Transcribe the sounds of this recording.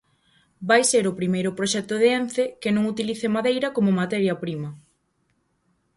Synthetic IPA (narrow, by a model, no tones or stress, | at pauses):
bajseɾʊpɾimejɾʊpɾoʃɛk̚t̪ʊðeenθekɪnõŋut̪iliθemaðejɾɐkomomat̪ɛɾjɐpɾimɐ